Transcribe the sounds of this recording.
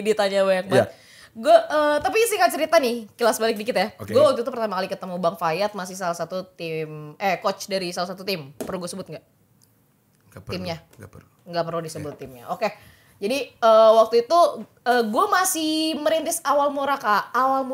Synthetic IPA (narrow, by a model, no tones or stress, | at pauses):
dit̪aɲawaak̚bat̪̚ | ɡuaʔət̪apisɪhkant͡ʃəɾit̪anɪhkəlasbalɪk̚dikɪt̪ajakɡuawak̚t̪uit̪upərt̪amakalikət̪əmubaŋfajat̪̚masɪhsalahsat̪ut̪ɪmɛkot͡ʃdaɾisalasat̪ut̪ɪmpərluɡuasəbʊt̪̚ŋɡaʔ | t̪ɪmɲa | ɡ | ŋɡapərludisəbʊt̪ːɪmɲa̰ʔoke | d͡ʒadiəwak̚t̪uit̪u | əːɡuamasɪhməɾint̪ɪsawalmuɾakaːwalm